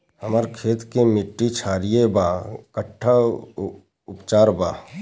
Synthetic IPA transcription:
həməɾkʰeːt̪kemɪʈːit͡ʃʰaːɾiebaːkəʈʰːa | ʊpt͡ʃaːɾbaː

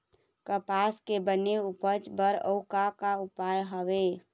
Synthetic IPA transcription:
kəpaskebəneupət͡ʃbəɾə̰ʊkakaupajɦəʋe

